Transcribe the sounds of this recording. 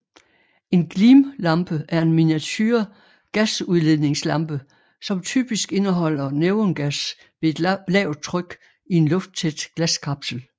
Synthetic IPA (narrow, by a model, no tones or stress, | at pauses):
e̝nɡ̥liːmlɑ̈mb̥əʔæɐe̝nminiæt͡sʰyːɐ | ɡ̥æsuð̞ˠle̝ð̰ˠne̝ŋslɑ̈mb̥ə | sɒ̽mt͡sʰy̰ːb̥isɡ̥e̝nəɦɒ̽l̰ɐneʊənɡ̥æs | ʋe̝e̝d̥lɛʊt͡sʰʁœɡ̥ | ie̝nlɔ̽fd̥̚t͡sʰed̥ɡ̥læskʰɑ̈b̥sl̩